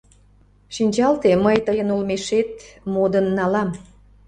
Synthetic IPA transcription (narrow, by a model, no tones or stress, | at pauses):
ʃinʲt͡ɕɑlt̪eməjt̪əjənulmeʃet̪̚mod̪ənːɑlɑm